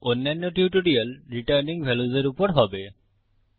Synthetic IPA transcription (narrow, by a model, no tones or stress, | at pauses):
onːanːɔʈjuʈuɖialɾiʈaɾniŋbʱeluzeɾupɔɾɦɔbe